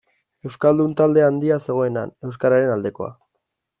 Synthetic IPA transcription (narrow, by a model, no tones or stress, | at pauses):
e̞wskald̪unt̪ald̪e̞and̪iase̞ɣ̞o̞e̞na̰ne̞ws̬kaɾaɾe̞nald̪e̞ko̞̰a̰